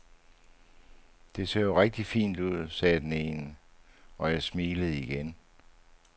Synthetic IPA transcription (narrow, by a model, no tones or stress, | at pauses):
d̥e̝sḛɐjoʁeɡ̥̚d̥ifḭːnd̥uð̞̰ˠsɛːd̥eneːnə | ɒ̽jɑɪsmiːləð̞̩ˠiɡ̥en